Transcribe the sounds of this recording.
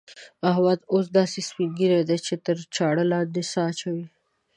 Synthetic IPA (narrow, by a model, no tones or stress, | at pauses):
aɦwɑd̪os̬d̪ɑːsispinɡiɾed̪et͡ʃet̪əɾt͡ʃɑːɽəlad̪esɑt͡ʃawi